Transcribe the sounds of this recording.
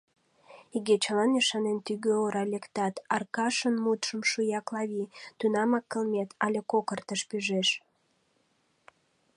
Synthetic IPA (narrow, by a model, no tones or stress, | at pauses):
iɣet͡ɕəlɑniʃɑnent̪yɣøoɾɑlʲekt̪ɑt̪ɑrkɑʃənmut̪ʃəmʃujɑklɑβit̪ynɑmɑkːəlmʲet̪ʰɑlʲekokərt̪əʃpyʒeʃ